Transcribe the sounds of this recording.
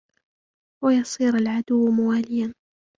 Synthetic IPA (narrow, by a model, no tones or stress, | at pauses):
wajɑsˤiːɾalʕad̪ʊwːmawaːlɪjan